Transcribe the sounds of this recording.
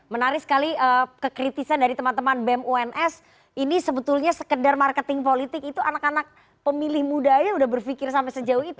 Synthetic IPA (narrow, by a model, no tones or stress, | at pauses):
mənaɾɪsə̥kaliəkəkɾit̪isandaɾit̪əmant̪əmanbɛmuɛnʔɛs | inisəbət̪ʊlɲasəkədarmarkət̪ɪŋpolit̪ɪk̚it̪uanakanak̚ | pəmilɪhmudajaudahbərfikɪrsampɛsəd͡ʒaʊhit̪u